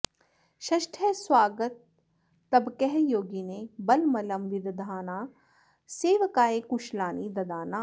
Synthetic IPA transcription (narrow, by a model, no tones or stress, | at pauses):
ʃɐʃʈʰɛswaːɡət̪̚ː | ɐbkɛɦjoːɡinebɐlmɐləmʋɪd̪d̪ʱaːnaː | seːʋkaːekuʃlaːnid̪ɐd̪aːnaː